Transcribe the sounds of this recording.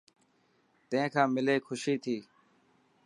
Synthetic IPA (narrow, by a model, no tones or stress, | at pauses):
t̪ə̃ẽːkʰãːmɪleːkʰʊʃiːt̪ʰiː